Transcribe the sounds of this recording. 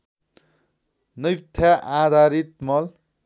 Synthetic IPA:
nʌjt̪ʰjaʔad̪ʱaɾit̪mʌl

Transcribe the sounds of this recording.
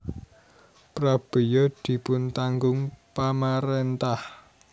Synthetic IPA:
pɾab̥ejɔd̪̥i̤pʊnt̪aŋɡʊŋpamaɾent̪ah

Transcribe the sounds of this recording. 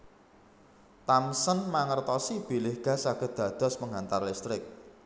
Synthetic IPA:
t̪amsənmaŋərt̪ɔsib̥i̤lɪhɡ̥a̤saɡ̥ə̤d̪̥ä̤d̪̥ɔ̤spəŋɦant̪arlist̪ɾɪk̚

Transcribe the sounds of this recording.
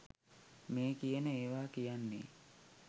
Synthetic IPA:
meːkijənəeːʋaːkijanːḛː

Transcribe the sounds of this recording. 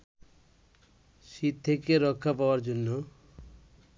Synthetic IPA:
ʃit̪̚t̪ʰːekeɾɔkʰːapaaɾd͡ʑonːo

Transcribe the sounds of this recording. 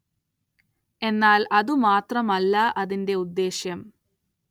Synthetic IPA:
e̞nːaːlɐðumaːt̪rɐmɐlːɐʔɐðinde̞ud̪ːe̞ːɕjɐm

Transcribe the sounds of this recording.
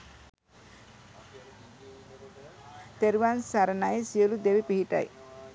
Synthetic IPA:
t̪eɾiwansaɾənajesiəlud̪ewipiɦiʈa̰j

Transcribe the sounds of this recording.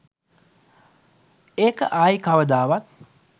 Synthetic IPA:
eːkəʔaːjkaʋəd̪aːʋat̪̚

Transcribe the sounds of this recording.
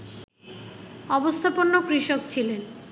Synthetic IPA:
ɔbost̪ʰaponːokɾiʃok̚t͡ɕʰilen

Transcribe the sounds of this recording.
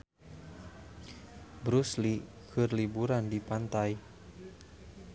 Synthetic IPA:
bɾusli | kʰɨrlibuɾandipant̪aj

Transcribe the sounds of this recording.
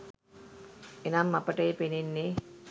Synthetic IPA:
enamːapəʈəjepenenːe

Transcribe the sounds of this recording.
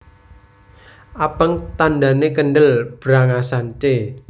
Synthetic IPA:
ʔapəŋt̪anda̤nekənɖəlb̥ɾaŋasant͡ʃe

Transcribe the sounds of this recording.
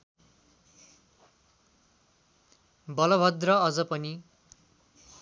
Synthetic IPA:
bʌlʌbʱʌd̪rʌʌd͡zʌpʌni

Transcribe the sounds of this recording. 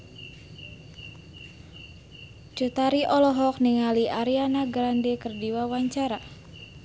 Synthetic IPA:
t͡ʃut̪aɾiʔɔlɔɦɔk̚niŋaliʔaɾianaɡɾandekərdiwawaɲt͡ʃaɾa

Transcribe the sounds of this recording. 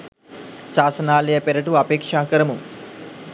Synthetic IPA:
saːsɐnaːlejəpeɾɐʈuapeːkʂaːkəɾɐmuŋ

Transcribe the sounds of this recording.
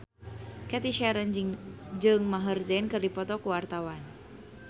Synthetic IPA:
kɛt̪iʃɛɾənd͡ʒɨŋmaɦərzɛnkɨrdipɔt̪ɔkuwart̪awan

